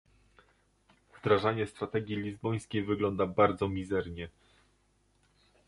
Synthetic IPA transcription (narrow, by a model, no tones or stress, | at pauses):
vd̪ɾaʐaɲɛst̪ɾat̪ɛɡʲjilʲizbɔj̃skʲejvɘɡlɔnd̪abaɾd̪zɔmʲizɛɾɲɛ